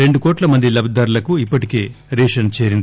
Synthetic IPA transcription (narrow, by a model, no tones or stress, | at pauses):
ɾe̞ɳɖukɔːʈlɐmɐnd̪ilɐbʱd̪ɐɾulɐkuipːɐʈike̞ːɾeːʂɐnt͡ʃe̞ːɾind̪i